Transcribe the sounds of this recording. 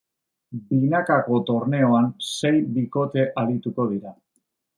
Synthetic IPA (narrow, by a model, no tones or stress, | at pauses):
binakako̞t̪o̞ɾne̞o̞anse̞jbiko̞t̪e̞ʔalit̪uko̞ð̞iɾa